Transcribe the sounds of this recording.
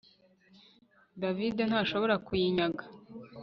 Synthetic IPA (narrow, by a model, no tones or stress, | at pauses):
daviden̥haːʃo̞βo̞ɾakujiɲaɡa